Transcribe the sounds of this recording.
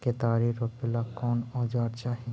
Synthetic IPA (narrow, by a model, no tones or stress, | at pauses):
ket̪aːɾiɾopelakɔnɔd͡ʒaɾt͡ʃaɦi